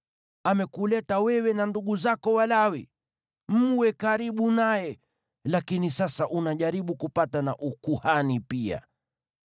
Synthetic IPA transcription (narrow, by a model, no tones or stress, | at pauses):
amɛkulɛtawɛwɛnanduɠuzakɔwalawi | m̩wɛkaɾiɓunajɛ | lakinisasaʔunaʄaɾiɓukupatana̰ʔukuhanipia̰